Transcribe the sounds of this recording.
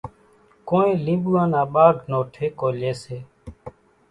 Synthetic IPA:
koːnẽːlĩːɓuːãːnãːɓaːɡʱnoːʈʰeːkoːleːseː

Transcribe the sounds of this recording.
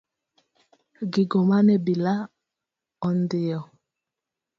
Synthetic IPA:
ɡiɡɔmanɛbila | ɔndɪjɔ

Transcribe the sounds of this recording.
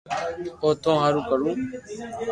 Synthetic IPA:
oːt̪ʰõːɦaːɾũːkəɾũː

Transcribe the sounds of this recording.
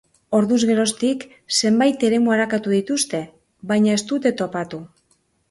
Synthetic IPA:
o̞ɾðuzɣe̞ɾo̞st̪ik | se̞mbajt̪e̞ɾe̞muaɾakat̪uð̞it̪ust̪e̞ | βajɲae̞st̪ut̪e̞t̪o̞pat̪u

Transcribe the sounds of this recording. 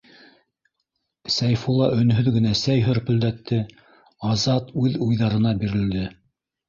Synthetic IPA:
sæjfulˠɑʔɵ̆n̆ɦɵðɡɘ̆næsæjɦɵɾpɵ̆ld̪æt̪ʰːɘ | ɑzɑt̪ʉðujðɑɾɤ̆nɑbiɾɘ̆ld̪ɘ

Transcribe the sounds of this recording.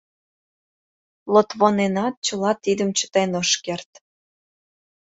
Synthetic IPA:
lot̪βonenɑt̪̚t͡ɕə̆lɑt̪id̪əmt͡ɕə̥t̪enoʃkert̪

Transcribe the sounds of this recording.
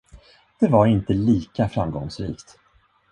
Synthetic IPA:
d̪̥ɛvaɾɪnt̪əliːkafɾamɡɔŋsɾḭːkt̪

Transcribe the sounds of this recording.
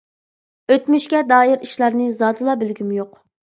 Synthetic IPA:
øt̪myʃkʲɛd̪ɑːiɾiʃlˠɑɾnɨzɑːd̪ɨlˠɑbɪlɡʲymjoq

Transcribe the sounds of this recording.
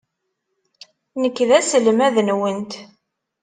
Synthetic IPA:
nəkːðæsəlmæðənwənt̪

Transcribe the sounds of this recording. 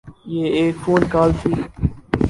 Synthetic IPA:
jeːeːkfʰuːnkaːlt̪ʰiː

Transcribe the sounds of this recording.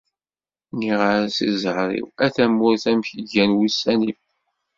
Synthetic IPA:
niʁəɾsizəhɾˤḭwæθæmːʊɾθæmçəʝænwisːænim

